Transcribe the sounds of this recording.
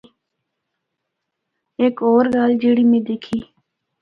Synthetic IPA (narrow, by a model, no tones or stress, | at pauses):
eːkoːɾɡaːld͡ʒeːɽiːmẽːd̪eːkʰiː